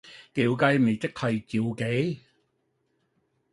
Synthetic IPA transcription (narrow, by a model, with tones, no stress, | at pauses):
ke˨˧wkɐ˧jme˨jt͡sɪ˥k̚hɐ˨˧jt͡siː˨˧wke˨˥j